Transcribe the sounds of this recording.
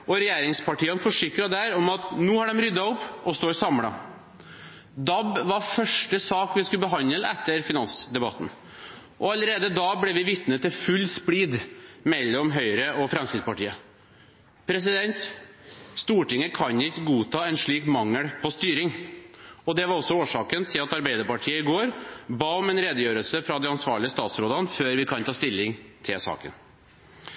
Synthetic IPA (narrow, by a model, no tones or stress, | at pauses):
ʔɔɾɛjeːɾɪŋspʰɑʈiːənfɔʂɪkɾɑd̪æɾɔmɑt̪nuːhɑɖɛmɾʏd̪ɑɔpːɔst̪oːɾsɑmɽɑ̰ | d̪ɑbʋɑɾfœʂʈəsɑːkʋɪskʉlbəɦɑnəlɛt̪ːəɾfɪnɑnsd̪ɛbɑ̰t̪ːn̩ | ʔɔɑləɾeːd̪əd̪ɑːblɛʋɪʋɪt̪nət̪ʰːɪfʉlːspɽiːd̪mɛlːɔmɦœʏɾəʔɔfɾɛmskɾɪt̪spɑʈiːə | pʰɾɛs̬ɪd̪ɛnt̪ | st̪uːʈɪŋːəkʰɑnɪkːəɡuːt̪ʰɑːɛnʂɭiːkmɑŋːəɽpʰɔst̪yːɾɪŋ | ɔd̪ɛʋɑɾɔsːɔoːʂɑːkənt̪ʰɪlɑt̪ɑɾbæɪd̪əɾpɑʈʰiːəɪɡoːɾbɑːɔmɛnɾeːd̪əjøːɾəlsəfɾɑd̪ɛɑnsʋɑ̰ːɭɪəst̪ɑːt̪sɾoːd̪ənføːɾʋɪkʰɑnt̪ʰɑːst̪ɪlːɪŋt̪ʰɪlsɑ̰ːkə̰n